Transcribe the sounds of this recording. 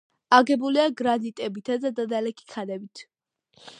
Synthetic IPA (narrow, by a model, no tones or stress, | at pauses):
aɡɛbuliaɡɾanit̪ʼɛbit̪ʰazad̪ad̪alɛkʰi̥kʰanɛbit̪ʰ